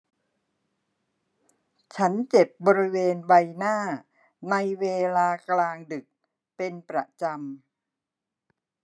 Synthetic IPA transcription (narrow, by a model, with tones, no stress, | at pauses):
t͡ɕʰa˦˥nt͡ɕe˨˩p̚bɔː˧ɾi˦˥weː˧nwa˧jnaː˥˩ | na˧jweː˧laː˧klaː˧ŋdɯ˨˩k̚ | pe˧npɾa˨˩t͡ɕa˧m